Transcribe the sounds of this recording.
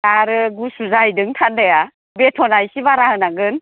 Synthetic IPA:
taɾɯɡusuzajdɯŋtʰandaja | betʰɔnajsiβaɾaɦɯnaɡɯn

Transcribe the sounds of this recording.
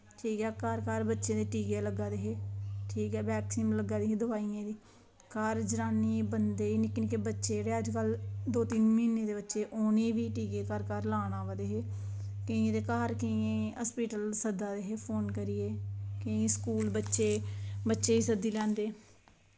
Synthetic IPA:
ʈʰiːkɛːkaɾkaɾbətːʃẽːd̪eːʈiːɡeːləɡːaːd̪eːɦeːʈʰiːkɦɛːbɛːksiːmləɡaːd̪eːɦẽːd̪ʊʋaːijẽːd̪iː | kaɾd͡ʒɾaːniːbənd̪eːiːnɪkːniːkeːbətːʃeːɾeːəd͡ʒkəld̪oːt̪iːnmiːnẽːd̪eːbətːʃeːʔoːneːʋiːʈiːɡeːkəɾkaɾlaːnaːʋad̪eːɦeː | kəĩd̪eːkaːɾkəĩẽːəːspiːʈəlsəd̪ːaːd̪eːɦeːpʰoːnkəɾiːeːkəĩskuːlbətːʃeːbətːʃeːiːsəd̪iːlɛ̃ːnd̪eː

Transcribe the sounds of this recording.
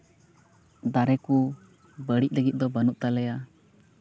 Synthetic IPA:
d̪aɾɛku | bəɽic̚ˀləɡit̪̚d̪ɔbənuʔ̚t̪alɛja

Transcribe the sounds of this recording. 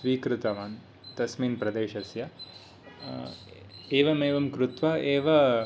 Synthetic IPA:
sʋiːkɾɪt̪ɐʋaːn | t̪ɐsmiːnpɾɐd̪eːʃɐsjɐ | eːʋɐmeːʋɐmkɾut̪ʋɐeːʋɐ

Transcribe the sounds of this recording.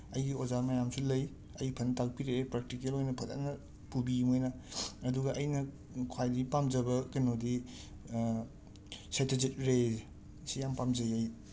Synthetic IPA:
ɐjɡiozaɾmɐjamsulɐj | ɐjpʰɐntak̚piɾepɾek̚tikelojnɐpʰɐta̰nɐ | pubimojnɐɐduɡɐʔɐjnɐ | kʰwajdipamd͡ʒɐbɐkɐnodi | setezit̚ɾe | sijampamd͡ʒɐjɐj

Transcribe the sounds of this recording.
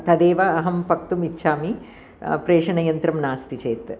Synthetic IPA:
t̪ɐd̪eːʋɐːɦɐmpɐk̚t̪umitːʃʰaːmi | pɾeːʂɐɳɐjɐnt̪ɾɐmnaːst̪it͡ʃeːt̪

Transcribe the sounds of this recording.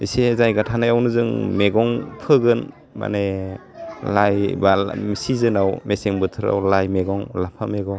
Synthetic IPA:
isezajɡatʰanajawnɯzɯŋmeɡɔŋpʰɯɡɯn | ma̰ne | lajbamisizɯnawmeseŋbɯtʰɯɾa̰wlajmeɡɔŋlapʰameɡɔŋ

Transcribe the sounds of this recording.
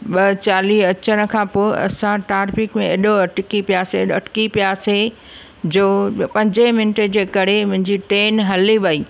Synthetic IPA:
ɓɐt͡ɕaːliːɐt͡ɕəñə̆kʰãːpoːeʔɐ̰sãʈaːɾfɪkmẽɐɗoɐʈʰɪkipijaːseɗɐʈʰkipjaːse | d͡ʑoːpɐ̃ɲd͡ʑəmɪnʈed͡ʑeːkɐɾ̤emʊ̃ɦɪ̃ɲd͡ʑiʈeːnɦɐliʋɐiː

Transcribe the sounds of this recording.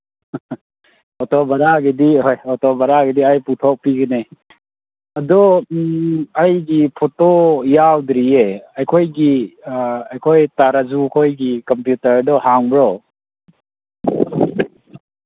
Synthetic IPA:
pʰotɔbaɾaɡediojɔtɔbaɾaɡediajputʰɔk̚piɡɐne | ɐdɔ | ajɡipʰotojawdɾieajkʰojɡi | ajkʰojtaɾazukʰojɡikɐmpjutɐɾdɔhaŋbɾɔ

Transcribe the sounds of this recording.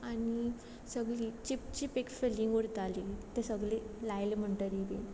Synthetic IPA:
ani | səɡliːt͡ɕipt͡ɕipekfelĩŋɡuɽt̪alit̪esəɡlilajlem̤əɳʈəɾid̪ḭn

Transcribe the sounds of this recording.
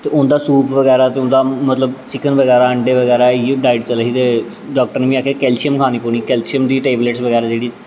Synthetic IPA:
t̪eːʔʊnd̪aːsuːpʰʋəɡɛːɾaːt̪eːʊ̃nd̪aːmət̪ləbt͡ʃɪkənʋəɡɛːɾaːəɳɖeːʋəɡɛːɾaːɖaːiɖt͡ʃələɦiːt̪eː | ɖaːk̚ʈəɾnːʋĩːaːkʰeːkɛːlt͡ʃɪjəmkʰaːniːpoːñiːkɛːlt͡ʃijəmd̪iːʈeːbleːʈsʋəɡɛːɾaːd͡ʒeːɽiː

